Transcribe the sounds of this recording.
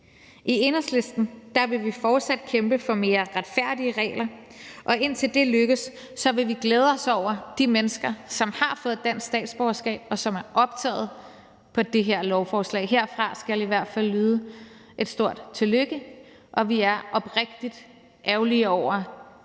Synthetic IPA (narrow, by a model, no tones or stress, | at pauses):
ʔie̝nɐsle̝sd̥n̩d̥ɑ̈ʋe̝ʋifɒːd̥sæd̥̚kʰemb̥əfɒ̽me̝ːɐʁad̥fæɐ̰d̥iəʁɛ̰ːlɐ | ʔɒ̽ʔe̝n̰t͡sʰe̝ld̥e̝løɡ̥əsː | ɒ̽ʋe̝ʋiɡ̥leːð̞ˠɒ̽sɒʊ̰ɐd̥imenəsɡ̥ɐsɒ̽mhɑ̈fɔ̽ːð̩ˠd̥æn̰ssd̥ɛ̰ːd̥sb̥ɒːɐsɡ̥ɛ̰ːb̥̚ɒ̽sɒ̽mæɐʔɒ̽b̥̚t͡sʰɛ̰ːð̞̩ˠ | pʰɒ̽d̥e̝ɦe̝ɐ̰lɒʊfɒːslɛ̰ɪɦe̝ɐ̰fʁɑ̈sɡ̥æliʋæɐ̰d̥fæl̰ːyːð̞ˠə | ʔe̝d̥sd̥o̝ɐ̰d̥t͡sʰe̝løɡ̥ə | ʔɒ̽ʋiæɐʔɒ̽b̥ʁeɡ̥̚d̥id̥ | ʔæʊliəɒʊ̰ɐ